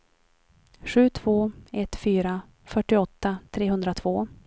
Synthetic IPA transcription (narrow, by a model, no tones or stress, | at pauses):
ɧʉ̟ːt̪ʰv̥oːɛt̪fyːɾa | fœʈːɪɔt̪ːat̪ʰɾeːɦɵnd̪ɾat̪ʰv̥oː